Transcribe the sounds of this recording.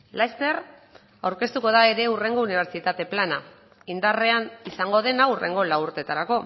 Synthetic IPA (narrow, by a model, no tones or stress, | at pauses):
lajst̪e̞r | awɾke̞st̪uko̞ð̞ae̞ɾe̞ure̞ŋɡo̞uniβ̞e̞ɾt͡ʃit̪at̪e̞plana | ind̪are̞anisaŋɡo̞ð̞e̞naure̞̰ŋɡo̞lawuɾt̪e̞t̪aɾako̞